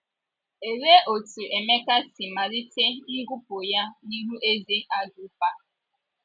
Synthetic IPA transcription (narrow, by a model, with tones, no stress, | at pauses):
e˨ɾe˦ʔo˨tu˨ʔe˨me˦ka˦si˨ma˨ɾi˦te˦ni˦ɡu˦po˨ja˦ni˦ɦu˦ʔe˦ze˦ʔa˦ɡu˦pa˦